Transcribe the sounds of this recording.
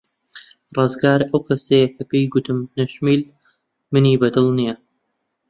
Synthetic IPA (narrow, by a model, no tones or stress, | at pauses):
rˤɨzɡaːɾɐwkʰɐsɐjɐkʰɐpejɡʊt̪ɨmnɐʃmiːl | mɨniːbɐd̪ɨlˠnijɐ